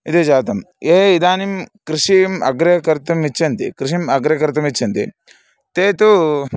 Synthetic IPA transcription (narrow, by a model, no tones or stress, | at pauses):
id̪ed͡ʒaːt̪ɐmeːid̪aːnimkɾiʂimɐ̰ɡɾɐɐkɐɾt̪ɐmit͡ʃːɐnt̪ikɾiʂimɐɡɾɐɐkɐɾt̪ɐmit͡ʃʰːɐnt̪i | t̪eːt̪u